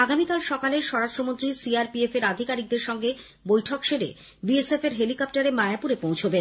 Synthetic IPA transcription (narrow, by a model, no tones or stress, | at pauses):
aɡamikalʃɔkaleɾʃɔɾaʃtɾomont̪ɾisiaɾpiefeɾad̪ʱikaɾik̚d̪eɾʃɔŋɡe | bojʈʰokʃeɾḛ | biesefeɾɦelikɔp̚ʈaɾemaeapuɾepõwt͡ɕʰoben